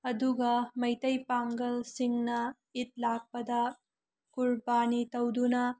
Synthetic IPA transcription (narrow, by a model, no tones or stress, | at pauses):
ɐduɡɐmɐjtɐjpaŋɡɐlsiŋnɐ | it̚lak̚pɐdɐ | kuɾbanitɐwdunɐ